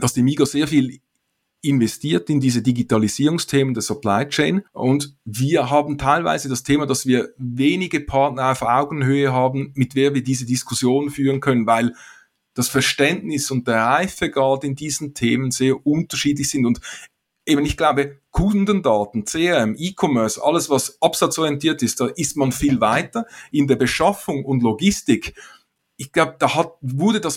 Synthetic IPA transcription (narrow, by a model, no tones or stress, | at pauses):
d̥ɑsd̥iːmiːɡoz̥eːɐfiːl | ɪnvɛstʰiːɐtɪndiːzədiɡitɑliz̥iːʁʊŋstʰeːməndeːɐsapʰlaɪt͡ʃeɪnʔʊndviːɐɦɑːbn̩tʰaɪlva̰ɪzədɑstʰeːmɑdɑsviːɐveːnɪɡəpʰɑɐtnəʁaʊfʔaʊɡəŋ̩høːəɦɑːbn̩mɪtv̥eːɐviːɐdiːzədɪskʰʊsjoːnənfyːʁənkʰœnənvaɪl | d̥ɑsfɛɐʃtɛndnɪsʊnt̚d̥eːɐʁaɪfəɡɑltɪndiːzn̩tʰeːmənz̥eːɐʊntəʃiːdlɪçsɪndʊnd | ʔeːbənɪçɡ̥laʊbəkʰʊndəndɑːtn̩t͡seːɛɛmʔiːkʰɔmœɐsɑ̰ləsvɑsʔɑpsɑt͡sɔʁiɛntʰiːɐtɪst̚d̥ɑːʔɪstmɑnfiːlvaɪtəɪndeːɐbəʃɑfʊŋʊndloɡɪstɪk | ɪçɡ̥laʊbəd̥ɑːhɑt̚vʊɐdədɑs